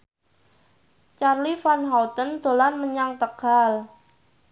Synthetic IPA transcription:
t͡ʃarlifanɦawt̪ənd̪̥o̤lanməɲaŋt̪əɡ̥al

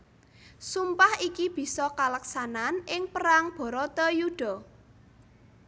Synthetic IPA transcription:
sumpahikib̥i̤sɔkaləksananʔɪŋpəɾaŋb̥ɔ̤ɾɔt̪ɔjuɖ̥ɔ̤

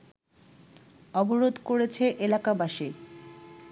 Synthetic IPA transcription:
ɔboɾod̪ʱkoɾet͡ɕʰeʔelakabaʃi

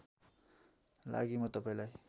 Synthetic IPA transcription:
la̰ɡimʌt̪ʌpaĩlaj

